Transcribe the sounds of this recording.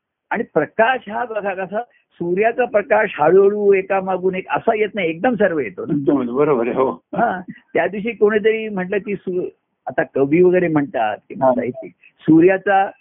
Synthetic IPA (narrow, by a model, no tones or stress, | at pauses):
aɽ̃ipɾəkaʂɦabakakəsa | suɾjat͡sapɾəkaɕɦaɭəɭuːekamaɡuːnekə̰sajet̪najek̚d̪əmsəɾʋəjet̪on̚d̪əm̤əbəɾobəɾeɦoɦãt̪jad̪ʋiɕ̬iːkoɽ̃et̪̬əɾiːm̤əʈləːkiːsu | at̪akəʋʱiʋəɡəjɾem̤əɳt̪əa̰t̪̚kim̤asa̰ɦit̪ḭ | suɾjat͡sa